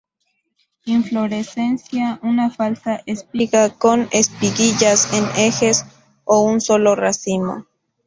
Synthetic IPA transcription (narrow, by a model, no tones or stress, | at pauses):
iɱflo̞ɾese̞nsjaunafalsaʔespiɣako̞nespiɣiʝasenexes | ounso̞lo̞rasimo̰